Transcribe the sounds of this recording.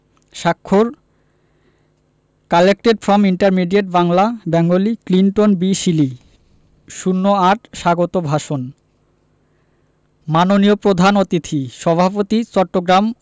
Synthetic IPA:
ʃakʰːoɾ | kalek̚ʈeɖfɾɔmiɳʈaɾmiɖieʈ̚baŋlabɛŋɡolikliɳʈonbiʃili | ʃunːoaʈʃaɡot̪obʱaʃon | manoniopɾod̪ʱanot̪it̪ʰiʃɔbʱapot̪it͡ɕɔʈːoɡɾam

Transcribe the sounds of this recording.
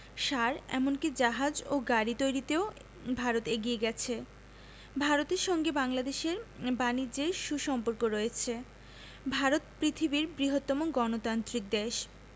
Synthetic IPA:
ʃaɾɛ̰monkid͡ʑaɦad͡ʑoɡaɾit̪ojɾit̪eo | bʱaɾot̪eɡieɡɛt͡ɕʰe | bʱaɾot̪eɾʃɔŋɡebaŋlad̪eʃeɾbanid͡ʑeʃuʃɔmpoɾkoɾoet͡ɕʰe | bʱaɾot̪pɾit̪ʰibiɾbɾiɦot̪ːɔmoɡɔnot̪ant̪ɾik̚d̪eʃ

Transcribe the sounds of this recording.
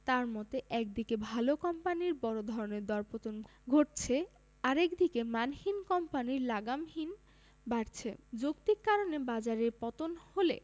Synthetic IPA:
t̪aɾmɔt̪eʔɛk̚d̪ikebʱalokɔmpaniɾbɔɾod̪ʱɔɾoneɾd̪ɔɾpot̪on | ɡʱoʈt͡ɕʰe | aɾɛkd̪ikemanhinkɔmpaniɾlaɡamɦin | baɾt͡ɕʰed͡ʑokt̪ikkːaɾonebad͡ʑaɾeɾpɔt̪onholḛ

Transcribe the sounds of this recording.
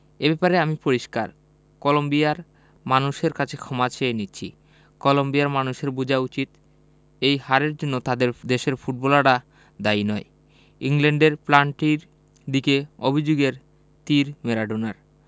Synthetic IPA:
ebɛpaɾeamipoɾiʃkaɾ | kɔlombiaɾ | manuʃeɾkat͡ɕʰekʰɔmat͡ɕʰeenitːɕʰḭ | kɔlombiaɾmanuʃeɾbud͡ʑʱaut͡ɕit̪ | ejhaɾeɾd͡ʑonːot̪ad̪eɾd̪eʃeɾfʰuʈ̚bɔlaɽa | d̪ajnɔe | iŋleɳɖeɾplaɳʈiɾ | d̪ikeobʱid͡ʑoɡeɾ | t̪iɾmeɾaɖonaɾ

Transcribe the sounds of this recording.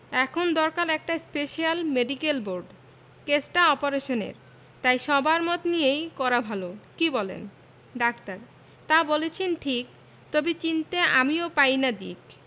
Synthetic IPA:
ɛkʰond̪ɔɾkaɾɛk̚ʈaspeʃialmeɖikelboɾɖ | kesʈaɔpoɾeʃonḛɾ | t̪ajʃɔbaɾmɔt̪nijejkɔɾabʱalokibɔlḛn | ɖakt̪aɾ | t̪abolet͡ɕʰenʈʰik̚ | t̪obit͡ɕint̪eʔa̰miopajnad̪ḭk

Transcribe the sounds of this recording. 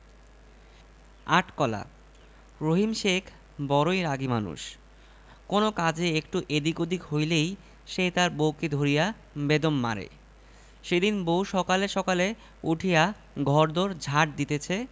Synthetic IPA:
aʈkɔla̰ | ɾoɦimʃekʰ | bɔɾojɾaɡimanṵʃ | konokad͡ʑeekʈuʔed̪ikod̪ikɦojlej | ʃet̪aɾbowked̪ʱoɾija | bed̪omːa̰ɾḛ | ʃed̪inbowʃɔkaleʃɔkale | uʈʰija | ɡʱɔɾd̪oɾd͡ʑʱaʈ̚d̪it̪et͡ɕʰe

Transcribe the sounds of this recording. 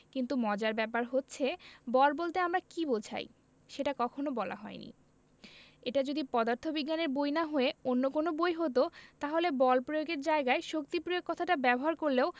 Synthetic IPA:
kint̪umɔd͡ʑaɾbɛpaɾɦotːɕʰebɔlbolt̪eamɾakibolt͡ɕʰa̰j | ʃeʈakɔkʰonobɔla̰ɦɔ̰enḭ | eʈad͡ʑod̪ipɔd̪aɾt̪ʰobiɡːaneɾbojnaɦoeonːokonobojɦot̪̬ot̪aɦolebɔlpɾojoɡeɾd͡ʑaeɡaeʃok̚t̪ipɾiokːɔt̪ʰaʈabɛboɦaɾkoɾleo

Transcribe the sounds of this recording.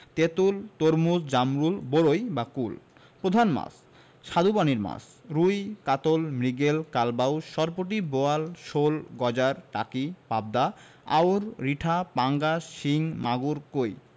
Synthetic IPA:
t̪et̪ult̪oɾmusd͡ʑamɾulboɾojbakul | pɾod̪ʱanma̰s | ʃad̪ʱupaniɾma̰s | ɾujkat̪olmɾiɡelkalbawʃɔɾpoʈ̬iboalʃolɡɔd͡ʑaɾʈa̰kipab̚d̪a | a̰wɾɾiʈʰapaŋɡaʃiŋmaɡuɾkoj

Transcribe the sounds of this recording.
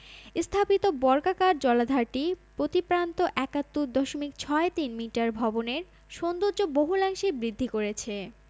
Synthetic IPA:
st̪ʰapit̪obɔɾkakaɾd͡ʑɔlad̪ʱaɾʈipɾot̪ipɾant̪oʔɛkat̪ːud̪ɔʃomik̚t͡ɕʰɔet̪inmiʈaɾbʱɔboneɾ | ʃond̪oɾd͡ʑoboɦulaŋʃebɾid̪ʱːikoɾet͡ɕʰe

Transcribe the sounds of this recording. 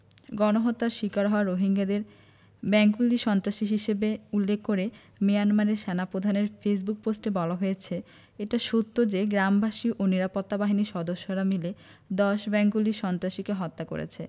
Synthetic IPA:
ɡɔnoɦot̪ːaɾʃikaɾɦɔoaɾoɦiŋɡad̪eɾ | bɛŋɡuliʃɔnt̪ɾaʃiɦiʃebeulːekʰːoɾe | mijanmaɾeɾʃɛnapɾod̪ʱaneɾfes̬buk̚posʈebɔlaɦojet͡ɕʰe | eʈaʃot̪ːod͡ʑeɡɾambʱaʃiʔoniɾapot̪ːabaɦiniʃɔd̪oʃːoɾamile | d̪ɔʃbɛŋɡuliʃɔnt̪ɾaʃikeɦɔt̪ːako̰ɾḛt͡ɕʰe

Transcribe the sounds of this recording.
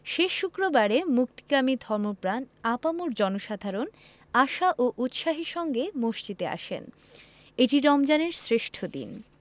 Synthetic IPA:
ʃeʃːukɾobaɾemuk̚t̪i̥kamid̪ʱɔɾmopɾanapamoɾd͡ʑɔnoʃad̪ʱaɾon | aʃaʔoʔut̪ʃaɦiʃɔŋɡemoʃt͡ɕit̪ea̰ʃḛn | eʈiɾɔmd͡ʑaneɾsɾeʃʈʰod̪ḭn

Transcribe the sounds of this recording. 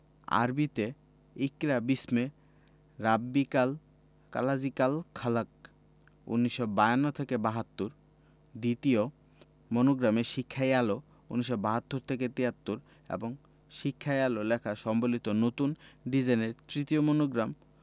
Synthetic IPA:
a̰ɾbit̪e | ikɾabisme | ɾabːikal | ka̰lad͡ʑikalkʰalak̚ | ṵnːiʃːɔbajanːot̪ʰekebaɦat̪ːuɾ | d̪it̪io | monoɡɾameʃikʰːajalo | unːiʃ̬ːɔbaɦat̪ːuɾt̪ʰeket̪iɦat̪ːuɾ | ḛboŋ | ʃikʰːaalolɛkʰaʃɔmbolit̪onot̪unɖid͡ʑaneɾt̪ɾit̪iomonoɡɾam

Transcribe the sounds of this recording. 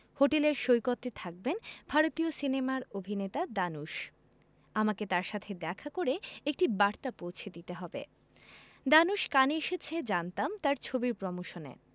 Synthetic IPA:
hoʈeleɾʃojkot̪ːet̪ʰak̚benbʱaɾot̪iosinemaɾobʱinet̪ad̪anuʃ | amaket̪aɾʃat̪ʰed̪ɛkʰakoɾeek̚ʈibaɾt̪apowt͡ɕʰed̪it̪eɦɔbḛ | d̪anuʃkaneeʃet͡ɕʰed͡ʑant̪amt̪aɾt͡ɕʰobiɾpɾɔmoʃonḛ

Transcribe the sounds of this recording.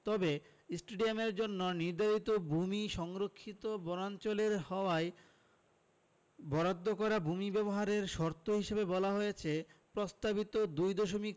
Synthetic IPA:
t̪ɔbe | sʈeɖiameɾd͡ʑonːoniɾd̪ʱaɾit̪obumiʃɔŋɾokʰːit̪obɔnant͡ɕoleɾhɔoae | bɔɾad̪ʱːokɔɾabʱumibɛboɦaɾeɾʃɔɾt̪ʰːoɦiʃebebɔlaɦojet͡ɕʰepɾost̪abit̪od̪ujd̪oʃomik

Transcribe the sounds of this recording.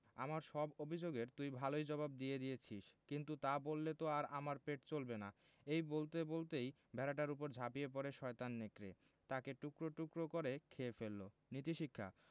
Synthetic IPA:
amaɾʃɔbobʱid͡ʑoɡeɾt̪ujbʱalojd͡ʑɔbab̚d̪ied̪ijet͡ɕʰiʃkint̪ut̪abolːet̪oaɾamaɾpeʈt͡ɕolbena | ejbolt̪ebolt̪ej | bʱɛɾaʈaɾupoɾd͡ʑʱapiep̬ɔɾeʃɔet̪anːekɾe | t̪akeʈukɾoʈukɾokoɾekʰeefelːo | nit̪iʃikʰːa̰

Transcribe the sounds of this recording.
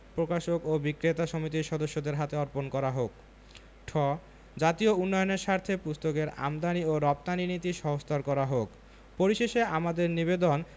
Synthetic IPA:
pɾokaʃokobikɾet̪aʃomit̪̬iʃɔd̪oʃːod̪eɾɦat̪eɔɾponkɔɾaɦok | ʈʰɔ | d͡ʑat̪iounːɔjoneɾʃaɾt̪ʰepust̪okeɾa̰md̪anioɾɔp̚t̪aninit̪iʃɔɦost̪ʰaɾkɔɾaɦok | poɾiʃeʃeamad̪eɾnibed̪on

